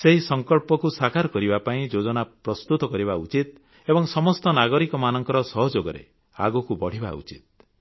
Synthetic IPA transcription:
seɦisɔŋkɔɭpɔkusakaɾɔkɔɾibapaĩd͡ʒod͡ʒɔnapɾɔst̪ut̪ɔkɔɾibaut͡ʃit̪ | ebɔŋsɔmɔst̪ɔnaɡɔɾikɔmanɔŋkɔɾɔsɔɦɔd͡ʒoɡɔɾḛ | a̰ɡukubɔɽ̤iba̰ṵt͡ʃit̪̚

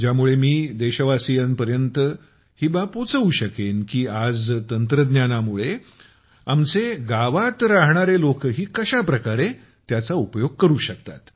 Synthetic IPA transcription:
d͡ʑjamuɭemiːd̪eɕəʋasijənpəɾjənt̪ə | hiːbapot͡səʋuːɕəkenkiːad͡zt̪ənt̪ɾəd̪njanamuɭe | amt͡seɡaʋat̪ɾaɦɳaɾelokɦiːkəɕapɾəkaɾe | t̪jat͡saupəjoɡ̚kəɾuːɕək̚t̪a̰t̪

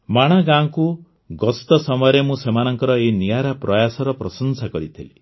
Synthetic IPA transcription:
maɽ̃aɡãku | ɡɔst̪ɔsɔmɔjɔɾemũsemanɔŋkɔɾɔenijaɾapɾɔjasɔɾɔpɾɔsɔnsakɔɾit̪ʰili

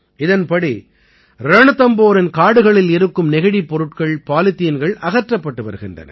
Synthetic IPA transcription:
ɪðɐnpɐɽi | ɾɐɳɯt̪ɐmboːɾɪnkaːɽɯɣɐɭɪlɪɾɯkːɯmnɪɣɪɽipːɔɾɯʈkɐɭpaːlɪt̪ːijɪnɡɐɭɐɣɐʈrɐpːɐʈːɯʋɐ̰ɾɯɣɪndrɐ̰nɐ̰

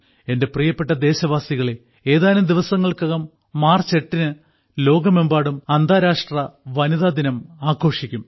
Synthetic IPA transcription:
e̞nde̞prijɐpːe̞ʈːɐd̪e̞ːɕɐʋaːsiɣɐɭe̞ | eːðaːlɐmd̪iʋɐsɐŋːɐɭkɐɣɐmː | aːrt͡ɕe̞ʈːinɨ | lo̞ːɡɐmembaːɽumɐnd̪ʱaːɾaːʂʈrɐʋɐniðaːd̪inɐmaːkʰo̞ːʂikʲːum

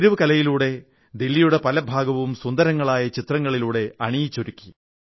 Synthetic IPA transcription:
ɾuʋɨkɐlɐjiluːɽe̞ | d̪ilːijuɽe̞pɐlɐbʱaːɡɐʋumsund̪ɐɾɐŋːɐɭaːjɐt͡ɕit̪rɐŋːɐɭiluːɽe̞ɐɳijit͡ɕːoɾukʲːi

